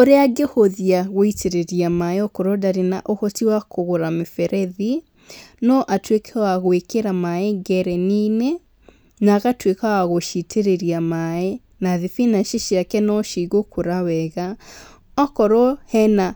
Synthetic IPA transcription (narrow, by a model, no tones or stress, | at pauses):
oɾeaɡehoðiaɣoitʰeɾeɾiamaeɔkɔɾɔdaɾena̰ʔohɔtiwakoɣoɾamefɛɾʔɛði | nɔʔatwekʰɛwaɣoekeɾamaeɡɛɾɛnine | naːɣatwekawaɣoʃitʰeɾeɾiamae | naðefinaʃiʃjakɛnɔʃiɣokoɾawɛɣa | ɔkɔɾɔhɛna